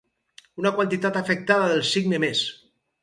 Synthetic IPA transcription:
unakwant̪it̪at̪afək̚t̪aðaðəlˠsiɡnemes

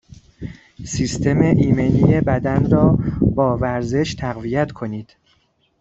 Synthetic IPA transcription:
siːst̪ʰe̞meʔiːmenijebæd̪ænɾɒːbɒːvæɾze̞ʃt̪ʰæɣvijæt̪kʰo̞niːd̪̥

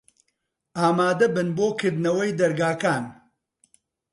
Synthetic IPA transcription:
aːmaːd̪ɐbɨnboːkʰɨɾd̪nɐwɐjd̪ɐɾɡaːkaːn

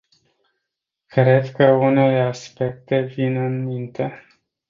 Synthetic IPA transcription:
kɾe̞d̪kəune̞le̞aspe̞k̚t̪e̞vinɨnmint̪e̞

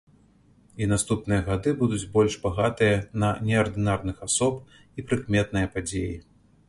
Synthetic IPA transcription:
inast̪upnɨjɐɣad̪ɨbud̪ud͡zʲbɔlʲʂbaɣat̪ɨjɐnɐnʲɛɐrd̪ɨnarnɨxasɔp̚ | ipɾɨkmʲɛt̪̚nɨjɐpad͡zʲeji

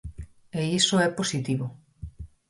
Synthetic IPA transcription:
eisoɛposit̪iβo

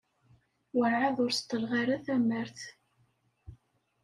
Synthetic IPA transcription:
wəɾʕaðˤʊɾst̪ːəlʁaɾaθæməɾθ

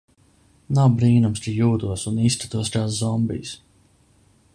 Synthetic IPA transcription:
nawbɾiːnumst̪ijuːd̪uɔsuniːst̪ʲat̪uɔskaːszɔmbḭːs

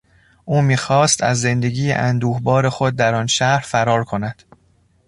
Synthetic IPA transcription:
ʔuːmiːxɒːst̪ʰæ̰zːe̞nd̪e̞ɡiːḛʔænd̪uːhbɒːɾe̞xo̞d̪̚ːæɾɒːnʃæɾfæɾɒːɾkʰo̞næd̪̥

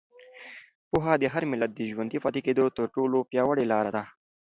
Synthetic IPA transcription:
puɦad̪əɦaɾmɪlat̪̚d̪əʒwand̪ifɑt̪eked̪ot̪əɾʈoːlopjɑːwəɽelɑːɾad̪a

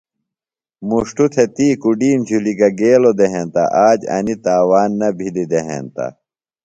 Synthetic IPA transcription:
muʂʈut̪ʰet̪iːkuɖiːmd͡ʑʱuliɡɐɡeːlod̪eɦent̪ɐ̰ʔaːd͡ʑɐ̰nit̪aːwaːnːɐbʱid̪id̪eɦḛnt̪ɐ̰

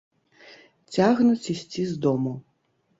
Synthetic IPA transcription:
t͡sʲaɣnut͡sʲisʲt͡sʲizd̪ɔmu

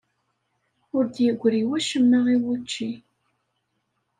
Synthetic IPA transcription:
ʊɾd̪jəɡʷːɾiwæʃəmːəʁiwut͡ʃːi

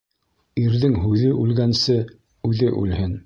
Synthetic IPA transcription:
iɾðɘŋɦʉðɘʔʉlɡænsɘ | ʉðɘʔʉ̰lhɘn

